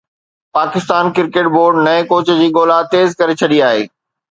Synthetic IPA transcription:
paːkɪst̪aːnkɪɾkeːʈ̚boːɾɖnɐẽkoːt͡ɕd͡ʑiːɠoːlat̪eːzkɐɾet͡ɕʰɐɗiaːɦḛː

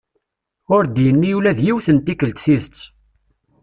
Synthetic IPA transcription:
ʊɾd̪jənːijulæðjiwθənt̪ikəlt̪θiðət͡sː

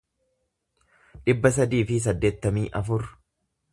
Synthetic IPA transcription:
ᶑɪbːɐsɐd̪iːfɪs̬ɐd̪ːe̞ːt̪ːɐmiːʔɐfʊɾ

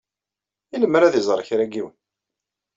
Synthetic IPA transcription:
iləmːəɾæðizˤɾˤəçɾæɡiwən

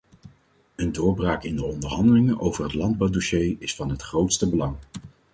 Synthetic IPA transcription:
əndʊːɹbraːkɪndəɔndəɹɦɑndəlɪŋənʔowvəɹɦətlɑnd̚bɑwdoʃejɪsfɑnɦətχrowtstəbəlɑŋ

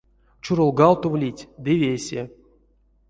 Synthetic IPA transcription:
t͡ʃuɾolˠɡɑlˠt̪ovlʲitʲd̪ɨvʲesʲe

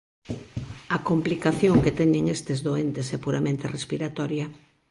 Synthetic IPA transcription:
ɐkomplikaθjoŋket̪ɛɲeŋest̪ezðoent̪esɛpuɾamẽnt̪erespiɾat̪ɔɾjɐ

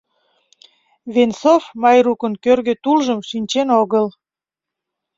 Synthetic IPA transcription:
vensofmɑjrukənkørɣøt̪ulʒəmʃinʲt͡ɕenoɣəl

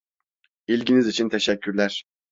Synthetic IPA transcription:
ilʲɟinizit͡ʃʰint̪ʰeʃɛcʰːyɾlʲæɾ̥

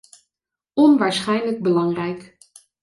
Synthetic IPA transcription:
ɔnʋaːɹsχɛjnləɡ̚bəlɑŋrɛjk

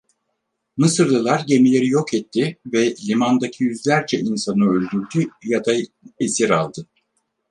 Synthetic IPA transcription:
mɯsɯɾlˠɯlˠaɾɟe̞milʲe̞ɾijo̞kɛt̪ʰːɪvɛlʲimand̪acʰijyzlʲæɾd͡ʒɛinsanɯølʲd̪yɾd̪yjad̪aesiɾalˠd̪ɯ

